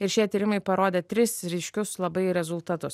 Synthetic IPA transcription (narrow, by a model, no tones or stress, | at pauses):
ɪɾʃʲiɛt̪ʲiːɾʲɪmɐɪpɐɾoːd̪ʲeːt̪ʲɾʲɪsɾʲɛɪʃʲkʲʊslˠɐbɐɪɾʲɛzʊlˠt̪ɐt̪ʊs